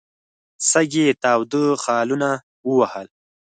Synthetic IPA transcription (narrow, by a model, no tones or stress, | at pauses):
saɡet̪ɑːwd̪əxɑːluna | wəwahəl